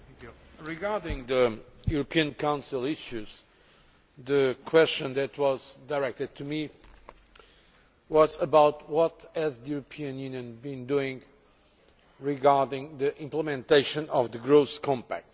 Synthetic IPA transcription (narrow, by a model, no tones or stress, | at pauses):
kju | ɹiɡaɹdɪ̃ŋðəjuɹəpʰiɨ̃nkʰãʊ̃nsilˠɪʃʉz | ðɨkʰwɛst͡ʃɨ̃nðɨt̪ʰwʌzdaɹɛk̚t̪ɨd̪̚tʰumi | wʌzəbawt̪wʌt̪hɨzðəjuɹɨpʰiɨ̃njʉnjɨ̃nbĩnd̪uɪ̃ŋ | ɹiɡaɹdɪ̃ŋðɨʔɪ̃mpləmɛ̃nt̪eɪʃɨ̃nɔvðɨɡɹoʊskʰɔ̃mpæ̰k̚t